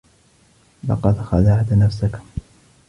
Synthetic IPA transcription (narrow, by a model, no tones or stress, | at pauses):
lɑ̰qɑd̪xaðaʕd̪nafsak